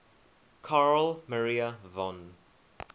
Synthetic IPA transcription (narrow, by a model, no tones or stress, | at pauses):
kʰaɹəlməɹiəvɔ̃n